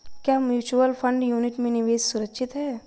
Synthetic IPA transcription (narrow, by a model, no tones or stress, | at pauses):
kjaːmjuːt͡ʃuəlfʰə̃ɳɖjuːnɪʈmẽnɪʋeːssʊɾəkʃʰɪt̪ɦɛː